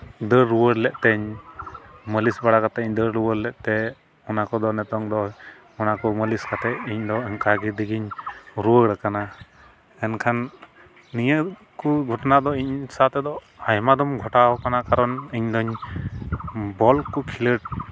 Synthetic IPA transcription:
d̪əɾɾuwəɽlɛʔt̪ɛɲ | məlisbaɽakat̪ɛiɲd̪əɾɾuwəɾlɛʔt̪ɛ | ɔnakɔd̪ɔnɛt̪ɔŋd̪ɔ | ɔnakɔməliskat̪ɛʔiɲd̪ɔɲkaɡid̪iɡiɲɾuwəɽəkana | ɛnkʰanː | ijəʔ | kuɡʱɔʈnad̪ɔiɲsat̪ɛd̪ɔ | ajmad̪ɔmɡʱɔʈawɔkanakaɾɔniɲd̪ɔɲ | bɔlkɔkʰiləʈ̚

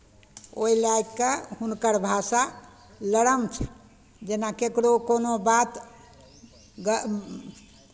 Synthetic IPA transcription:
o̰ilaikːehunkəɾbʱasa | ləɽəmt͡ʃʰɛ̥ | d͡ʒenakekɽokonobat̪ | ɡə

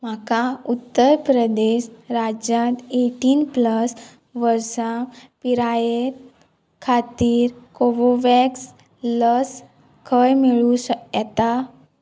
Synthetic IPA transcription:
m̤akaut̪ːəɾpɾəd̪eɕɾad͡ʑjãt̪eʈiːnpləs | ʋəɾsãpiɾajeɾ | kʰat̪iːɾkoʋoʋɛks | ləs | kʰəjmeɭũsəjat̪a

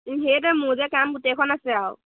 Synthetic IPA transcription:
ɦejtɔmuzɛkamɡutɛkʰɔnasɛaw

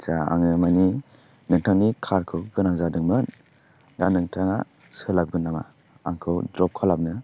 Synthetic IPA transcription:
saa̰ŋɯmani | nɯŋtʰaŋnikʰaɾkʰɯwɡɯnaŋzadɯŋmɯn | danɯŋtʰaŋa̰ | sɯlap̚ɡɯnːama̰ | aŋkʰɯwdɾɔp̚kʰalap̚nɯ

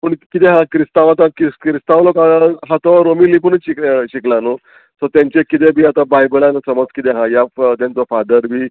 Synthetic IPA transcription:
pəɳkit̪ẽɦãkɾist̪aʋat̪ãkikɾist̪aʋlokaɦãt̪ɔʋaɾomilip̬əɳɕikɕiklano | sɔt̪jãɲt͡ɕekit̪ebʱiːat̪ãbajbəlanasəməd͡zkit̪eɦãjat̪jãnt͡sɔfad̪əɾbiː

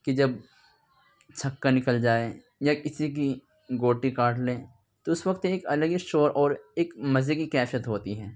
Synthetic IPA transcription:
kid͡ʒɐb | t͡ʃʰɐkːanɪkəld͡ʒaːe | jakɪsik̬i | ɡoːʈikaːʈlẽː | t̪oʊsʋɐkt̪eeːkɐləɡisʈoːɾʔɔːɾeːkmɐzekikɛːfijət̪ɦoːt̪iɦɛː

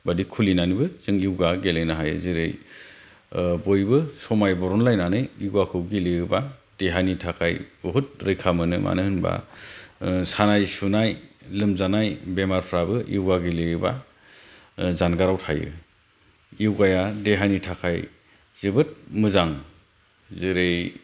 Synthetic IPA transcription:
badikʰulinanibɯz̥ɯŋiwɡaɡelenaɦajɯ̰ziɾɯj | bojbɯsɔmajbɔɾɔnlajnanɯiɡwakʰɯwɡiliɯbad̥eɦajnitʰakʰajbɔɦut̚ɾɯjkʰamɯnɯ̰mʔa̰nɯhɯnba̰ | sanajsunajlɯmzanajbemaɾpʰɾabɯʔḭwɡaɡileɯba̰ | zanɡaɾawtʰajɯ̰ | iwɡajadeɦanitʰakʰaj | z̥ɯbɯt̚mɯzaŋ | ziɾej

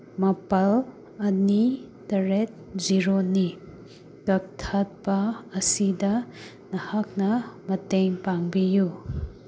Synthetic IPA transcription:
mɐpɐl | ɐni | tɐɾet̚ziɾoni | tɐk̚tʰat̚pɐɐsidɐ | nɐhak̚nɐmɐteŋpaŋbiju

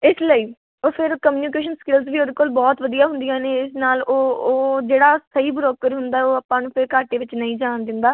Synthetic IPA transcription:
ɪsləiː | oːpʰɪɾkəmjːnikeːʃənskɪlzʋiːoːd̪ekoːlbɔːt̪ʋəd̪ijaːɦʊ̃nd̪ijãːneːɪsnaːloːoːd͡ʒeːɽaːsəiːbɾoːkəɾɦʊnd̪aːoːəpːãːnũːpʰɪɾkaːʈeːʋɪt͡ʃnəĩːd͡ʒaːɳd̪ənd̪aː

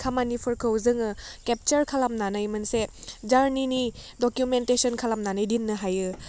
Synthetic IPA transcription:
kʰamanipʰuɾkʰɯwzɯŋɯkep̚t͡ʃɐɾkʰalamnanajmɐnsed͡ʒaɾninidɔkjumentesɔnkʰalamnanɯjdinːɯɦajɯ

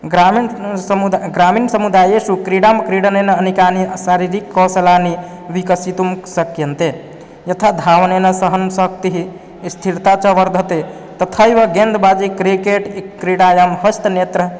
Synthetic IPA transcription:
ɡɾaminsmud̪ɡɾaminsəmud̪ajesukɾiɽamkɾiɽənenəənikanisaɾiɾikːɔsəlani | ʋikəsit̪umsəkjənt̪e | jət̪ʰad̪ʱaʋnenəsəɦənsək̚t̪iɦi | st̪ʰiɾt̪at͡ʃəʋəɾd̪ʱət̪e | t̪ət̪ʰəjʋəɡend̪bad͡ʒikɾikeʈkɾiɽajəmɦəst̪net̪ɾə

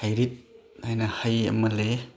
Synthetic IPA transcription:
ajɾit̚ | ajnahajɐ̰mɐle

